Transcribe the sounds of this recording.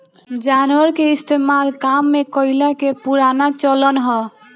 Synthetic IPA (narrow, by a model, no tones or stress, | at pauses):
d͡ʒanəɾkeist̪ʰemalkamːekɔjlakepuɾanat͡ʃɔlɔnɦɔ